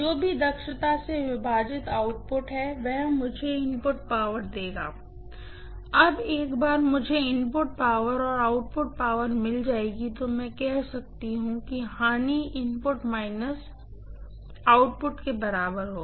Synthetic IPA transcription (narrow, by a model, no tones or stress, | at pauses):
d͡ʒoːbʱid̪ɐkʃət̪aseʋɪbʱaːd͡ʒɪt̪aːʊʈ̚pʊʈɦɛʋɛɦmʊd͡ʒʱeɪmpʊʈ̚paːʋəɾd̪eːɡa̰ː | ɐbeːkbaːɾmʊd͡ʒʱeɪmpʊʈ̚paːʋəɾɔːɾaːʊʈpʊʈ̚paːʋəɾmɪld͡ʒaːeːɡit̪omɛ̃ːkɛɦsɐk̚t̪iɦũkiɦaːniɪmpʊʈmaːɪnəs | aːʊʈpʊʈkebɐɾaːbəɾɦoː